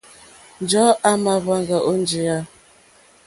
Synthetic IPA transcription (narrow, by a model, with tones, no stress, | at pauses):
n˨d͡ʒɔ˨˦a˦ma˨βa˦ŋɡa˨ʔo˦n˦d͡ʒi˨a˦